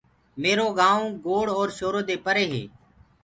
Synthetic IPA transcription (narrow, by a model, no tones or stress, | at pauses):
meːɾoːɡaːõːɡoːɽɔːɾʃoːɾoːd̪eːpəɾeːɦḛː